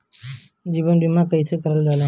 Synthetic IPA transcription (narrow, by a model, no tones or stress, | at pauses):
d͡ʒibənbimãkəisekəɾəlɡala